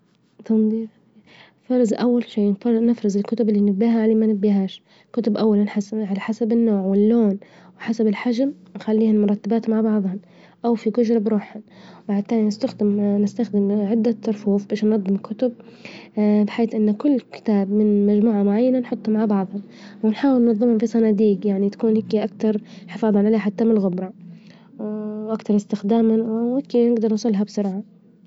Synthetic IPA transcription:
t̪ɑnd̪iː | fɑɾˤɑzʔawːalʃiːnɪfɾɑzɪlkʊt̪ʊbɪlːinɪbːiːɦaʕaleːmanɪbːiːɦaːʃ | kʊt̪ʊbʔawːalanħaʕalaħasabɪnːoːʕwɪlːoːn | wɪħasabɪlħad͡ʒamnxalːiːhanmʊɾˤɑt̪ːabaːt̪maʕbɑʕðˤhʊn | ʔawfiɡʊd͡ʒɾˤɑbɾuːħʊnmaʕt̪ːaːlinɪst̪axd̪ɪmnɪst̪axd̪ɪmʕɪd̪ːat̪ːʊɾˤfuːfbeːʃnːɑðˤːɨmkʰːʊt̪ʊb̚ | bɪħaːθʔɪnːkʊlːkɪ̥t̪aːbmɪnmad͡ʒmuːʕamʊʕajːananħʊt̪ˤːʊmaʕbɑʕðˤhʊn | wɪnħaːwɪlnːɑðˤːɨmhʊmfisanaːd̪iːɡjaʕnit̪ḁkuːnhɪkːiʔakt̪ɑɾˤħɪfɑːðˤɑnʕaleːħat̪ːamɪnlɣʊbɾˤɑ | ʔakt̪ɑɾˤɪst̪ɪxd̪aːmanwɪkːinɪɡd̪ɑɾˤnsˤʊlːɦabsʊɾʕa

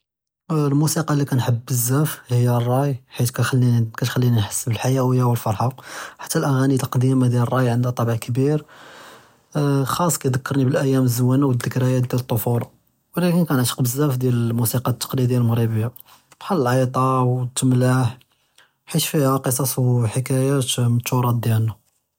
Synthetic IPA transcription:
lmusiqɑlːikænħəbːəzːæfhəjːærˤːɑjħit̪kæxælːikæt̪xælːininħḁsːəbəlħajæwəjːawəlfɑɾˤħaħḁt̪ːælʔæɣænilqd̪imad̪jælərˤːɑjʕənd̪æt̪ˤːɑbəʕkbiɾ | xɑsˤːkæjd̪əkːɑɾˤnibəlʔæjːæməzːəwːænawəd̪ːəkɾæjæd̪jælət̪ˤːofulɑ | wlækənkænət̪qbəzːæfd̪jælmusiqɑt̪ːɑ̥qlid̪jælmɣɾibəja | bħalːəlʕɑt̪ˤɑwt̪ːəmlaħ | ħit̪fihæqəs̬ˤɑsˤwħəkæjæt̪mət̪ːuɾˤɑd̪jælnæ

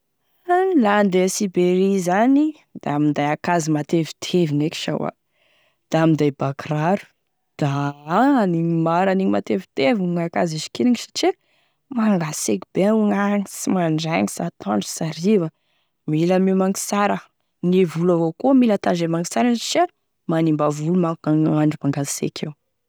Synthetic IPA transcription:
land̪esibeɾizani | d̪̥amind̪ajakazimat̪evi̥t̪ʰevineki̥ʃa̰wa̰ | d̪̥amind̪ajbakraɾu̥ | d̪̥aaniimaɾaniŋimat̪evit̪evuŋakaziʃi̥kiniŋiʃḁʈ͡ʂi | maŋɡasekibeuŋaŋisimaɳɖ͡ʐaŋisat̪ʰaɳɖ͡ʐu̥saɾivə | milamiwmaŋi̥saɾə | nivulavokumilat̪aɖ͡ʐemaŋisaɾanit͡ʃa | manimbavulumaŋaɳɖ͡ʐumaŋɡasḛkʰʲew

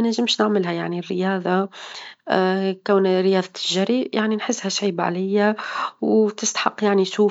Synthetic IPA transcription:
næʒɪmʃnəʕmɪlɦɛjaʕnirːəjɑːðˤɑ | kæwnɾəjɑːðˤɑt̪ʰːɪʒɑɾijaʕninħɪsːhɛʃʕiːbʕa̰lɪjːawt̪ɪst̪ḁħɑqːjaʕniʃuː

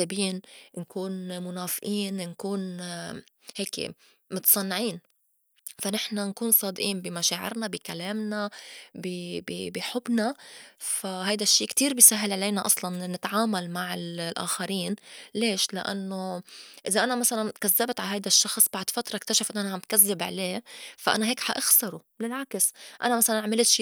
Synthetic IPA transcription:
abiːnnkuːnmʊnaːfʔiːnnkuːn | heːkḛ | mʊt̪sˤɑnːʕiːn | fanɪħnankuːnsˤɑːd̪ʔiːnbimaʃaːʕɪ̰ɾnabikalaːmnabibḭbiħʊbnafaɦajd̪aʃːiːkt̪iːɾbiːsaɦːalʕaleːnaʔɑsˤlɑnːɪt̪ʕaːmalmaʕɪllʔa̰ːxaɾiːnleːʃlɪ̰ʔa̰nːoʔɪzaʔanamasalankazːabt̪ʕaɦajd̪aʃːɑxsˤb̥aʕd̪fat̪ɾˤɑʔkt̪aʃafʔɪnːʔanaamt̪̚kazːɪbʕa̰leːfaʔa̰naɦeːkħaʔaxsɑɾˤu | lɪlʕaksʔa̰namasalanʕmɪlt̪ʃiː

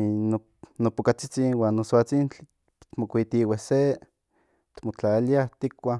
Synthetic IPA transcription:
no | nopokat͡sit͡sinwaːnːosoat͡sint͡ɬi | t̪mokʷit̪iwese | t̪mot͡ɬaliaht̪ikʷa

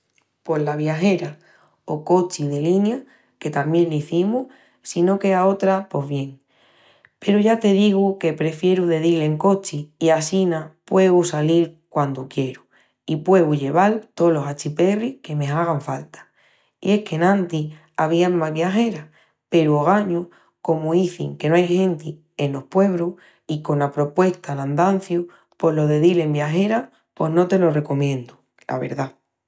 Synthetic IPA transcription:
po̞zlaβjaxe̞ɾa | oko̞t͡ʃiðe̞linja | ke̞t̪amjẽ̞nliθimuh | sino̞ke̞ao̞t̪ɾapo̞zβje̞ŋ | pe̞ɾuʝat̪e̞ðiɣuke̞pɾe̞fje̞ɾuðe̞ðile̞ŋko̞t͡ʃiːasinapwe̞ɣusaliɾkwand̪ukje̞ɾu | ipwe̞ɣuʎe̞β̞alt̪o̞lo̞sat͡ʃipe̞rihke̞mẽ̞aɣ̞aɱfalt̪ḁ | ḭe̞hke̞nãnt̪i | aβ̞iamːaβjaxe̞ɾa | pe̞ɾuoɣ̞aɲu | ko̞muiθḭŋke̞noajhẽ̞nt̪i | enlo̞hpwe̞βɾu | iko̞nlapɾo̞pwe̞ht̪alãnd̪an̟θju | po̞lo̞ðe̞ðile̞mbjaɦe̞ɾa | po̞ɦno̞t̪e̞lo̞re̞ko̞mjẽ̞nd̪u | lʔa̰βe̞̰ɾða

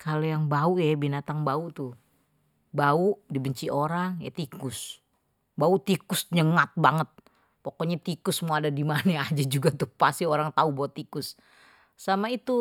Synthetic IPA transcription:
kʰalojaŋbaujabinat̪aŋbaut̪ʊ | baudibəɲt͡ʃiʔoɾaŋja̰t̪ikʊs | baut̪ikʊsɲəŋat̪̚baŋət̪̚ | pokoɲat̪ikʊsmuadadimanaad͡ʒad͡ʒuɡat̪ʊpasioɾaŋt̪aubawat̪ikʊs | samait̪u

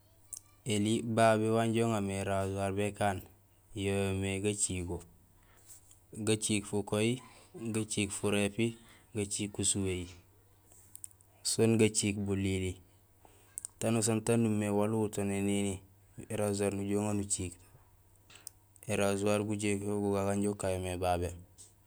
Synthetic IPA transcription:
elibabiwanɟoŋameɾazuaɾbekaːn | jomeɡat͡ʃiːko | ɡat͡ʃiːkfukojiɡat͡ʃiːkfuɾepiɡat͡ʃikːusuweji | sonɡat͡ʃiːkbulili | tanus̬antanːumewaluutonenini | eɾazuaɾnuɟoŋanut͡ʃiːk | eɾazuaɾɡuɟekoɡuɡaɡaɲɟokːajomebabe

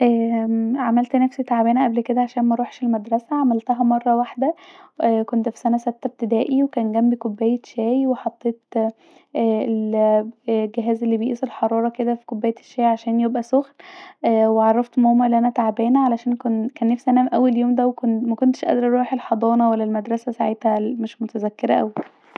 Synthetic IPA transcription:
ʔæːʕamælt̪næfsit̪aʕbæːnæʔæblked̪æʕaʃæːnmæɾuːħʃelmæd̪ɾˤɑsæʕamælt̪æɦæmɑrˤːɑwaħd̪ææːkont̪fi̥sænæsæbt̪ːæb̚t̪ed̪æːʔiwekæːnɡæmbikobːæːjeʃæːjweħɑt̪ˤːeːt̪ | ʔæel | ɡeɦæːzelːiːbejʔiːsˤelħɑɾˤɑːɾˤɑked̪æfi̥kobːæːjæʃːæːjʕaʃæːnjebʔæsoxlʔweʕɑrˤːɑft̪mæhoːmːæʔeliʔænæt̪aʕbæːnʕalæʃæːnkonkæːnːefsʔænæmʔæwːeljoːmd̪æwekonmækont̪e̥ʃʔæ̰d̪ɾʔɑɾˤuːħelħɑd̪ˤɑːnɑwælːælmæd̪ɾˤɑsæsaʕet̪hæmeʃmot̪æzækːeɾæʔæ̰wk

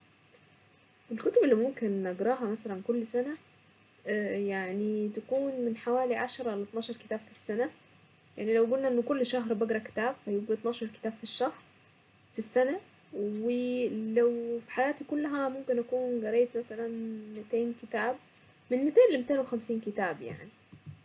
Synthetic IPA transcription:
ʔelkot̪obelːimomkenːɑɡɾˤɑːɦɑmæsælænkolːsænæ | jaʕnit̪ækuːnmenħawæːliʕaʃɑɾˤɑlet̪ˤnɑːʃɑɾˤke̥t̪æːb̥fi̥sːænæ | jaʕnilæwɡulnæʔenːokolːʃɑɦɾbɑɡɾˤɑke̥t̪æːbfæjuɡɡet̪ˤnɑːʃɑɾˤke̥t̪æːb̥fiʃːæhɾ | fisːænæ | welæwfi̥ħajaːt̪ikʊlːæɦæmomkenʔækuːnɡɑɾejt̪mæsælænmɪt̪eːnkɪt̪æːb̚ | mɪnmːɪt̪eːnlɪmt̪eːnwexæmsiːnkɪt̪aːbja̰ʕni

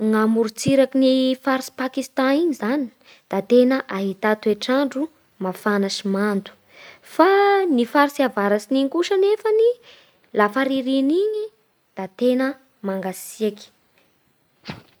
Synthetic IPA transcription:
ŋamuɾut͡siɾakinifaɾsi̥pakist̪ãiɲizani̥ | d̪̥at̪enəʔaɦit̪at̪ueʈ͡ʂaɳɖ͡ʐu | mafanaʃimant̪u̥ | fanifaɾsiavaɾasiniŋkuʃanefəni | lafaɾiɾiniɲi | d̪̥at̪enə | maŋɡasiaki̥

